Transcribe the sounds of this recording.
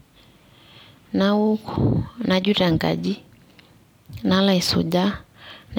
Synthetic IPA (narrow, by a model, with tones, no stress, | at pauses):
na˦u˦kɔna˨d͡ʒu˦ɾa˨ŋɡa̰˨d͡ʒi˦ | na˦la˦˨i˨sṵ˨ʄa˦na